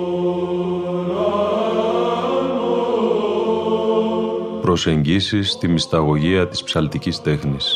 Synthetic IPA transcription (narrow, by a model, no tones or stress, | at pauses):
pɾo̞se̞ɲɟisist̪imist̪ɐɣo̞ʝiɐt̪i̥spsɐlt̪icist̪e̞xnis